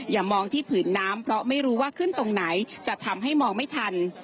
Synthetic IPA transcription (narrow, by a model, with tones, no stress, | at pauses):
jaː˨˩mɔː˧ŋt̪ʰiː˥˩pʰɯː˩˦nːaː˦˥mpʰɾɔ˦˥ma˥˩jɾuː˦˥waː˥˩kʰɯ˥˩nt̪o˧ŋna˩˦jt͡ɕa˨˩t̪ʰa˧mɦa˥˩jmɔː˧ŋma˥˩jt̪ʰa˧n